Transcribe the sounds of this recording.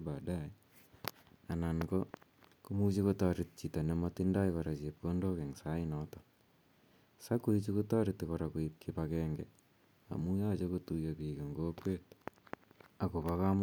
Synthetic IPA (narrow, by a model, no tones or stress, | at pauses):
bada | ananko | kumut͡ʃikotɔɾɪt̚t͡ʃitanɛmatindajkɔɾat͡ʃep̚kondokɛŋsaɪnɔtɔ | sakuit͡ʃikutɔɾɪtːikɔɾakuip̚kʰipakɛːŋɡɛ̰ | a̰mujat͡ʃokotujapikeŋɡoːkwet | akopakam